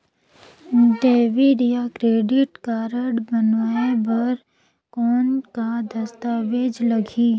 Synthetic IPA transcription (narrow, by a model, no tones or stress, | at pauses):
d̪eːʋiɾjakɾeːɖɪʈkaːɾəɖbənaːebɐɾ | kɔːnkad̪ɐst̪aːʋeːd͡ʒlɐɡʱi